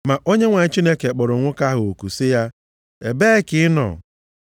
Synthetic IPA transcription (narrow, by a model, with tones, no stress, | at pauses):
ma˨ʔo˦ɲe˦ŋʷa˨˦t͡ʃi˦ne˦ke˨k͡pʊ˨ɾʊ˨ŋʷʊ˦ka˦ɦʊ˨o˨ku˨sɪ˦ja˦ | e˨be˦e˦kɪ˨˦ɪ˦nɔ̰˨